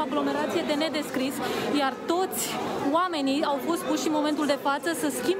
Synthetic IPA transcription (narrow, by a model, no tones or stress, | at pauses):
aɡlo̞me̞ɾat̪sije̞d̪e̞ne̞d̪e̞skɾisjart̪o̞t̪sʲoame̞nijawfo̞st̪̚puʃʃinmo̞ment̪uld̪e̞fat̪səsəskʲim